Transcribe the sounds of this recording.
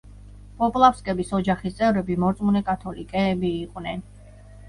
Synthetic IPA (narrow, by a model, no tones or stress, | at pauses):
pʼɔpʼlˠafskʼɛbisɔd͡ʒaχist̪sʼɛvɾɛbimɔɾt̪sʼmunɛkʼat̪ʰɔlikʼɛːbiːqʼnɛn